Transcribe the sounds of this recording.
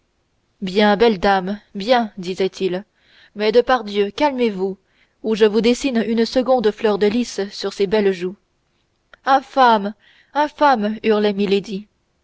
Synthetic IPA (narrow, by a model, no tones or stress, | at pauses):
bjɛ̃bɛld̪ambjɛ̃d̪izɛt̪ʰil | mɛd̪əpaʁd̪jøkalmevu | uʒəvud̪esinynsəɡɔ̃d̪flœʁd̪əlissyʁsebɛlʒu | ɛ̃fam | ɛ̃famyʁlɛmiled̪i